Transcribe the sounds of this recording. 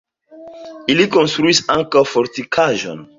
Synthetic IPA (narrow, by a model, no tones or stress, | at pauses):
iliko̞nstɾuisaŋkawfoɾtikʰaʒo̞̰n